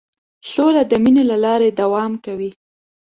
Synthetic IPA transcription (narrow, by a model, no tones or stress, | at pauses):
solad̪əminolalɑɾed̪awɑmkawi